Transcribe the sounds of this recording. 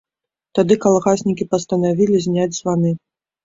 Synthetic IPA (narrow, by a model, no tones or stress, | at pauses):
t̪ad̪ɨkalˠɣasʲnʲikʲipɐst̪ɐnavʲilʲizʲnʲad͡zʲzvanɨ